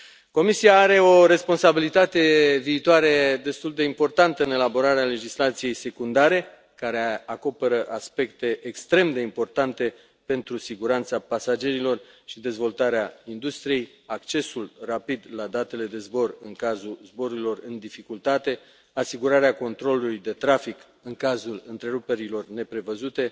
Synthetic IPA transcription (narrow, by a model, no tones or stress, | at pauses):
ko̞misiaːɾe̞o̞ɾe̞spo̞nsabilit̪at̪e̞viːt̪oaɾe̞d̪e̞st̪uld̪e̞impo̞rt̪ant̪əɨne̞labo̞ɾaɾeale̞d͡ʒislat̪sije̞jse̞kund̪aɾe̞ | kaɾe̞ako̞pe̞ɾəʔaspe̞kt̪e̞ʔekst̪ɾe̞md̪e̞impo̞rt̪ant̪e̞ | pe̞nt̪ɾusiɡuɾant̪sapasad͡ʒe̞ɾilo̞rʃid̪e̞zvo̞lt̪aɾeaind̪ust̪ɾije̞j | akt͡ʃe̞sulrapid̪lad̪at̪e̞le̞d̪e̞zbo̞rɨŋkazuzbo̞ɾuɾilo̞rɨnd̪ifikult̪at̪e̞ | asiɡuɾaɾeako̞nt̪ɾo̞lulujd̪e̞t̪ɾafik | ɨŋkazulɨnt̪ɾe̞ɾupe̞ɾilo̞rne̞pɾe̞vəzut̪e̞